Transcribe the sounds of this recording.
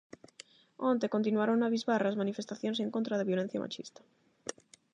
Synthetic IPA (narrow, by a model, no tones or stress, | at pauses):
õnt̪ekont̪̬inwaɾoŋnaβizβaɾazmanifest̪aθjonseŋkõnt̪ɾaðaβjolen̟θja̰mʔa̰t͡ʃḭst̪ɐ̥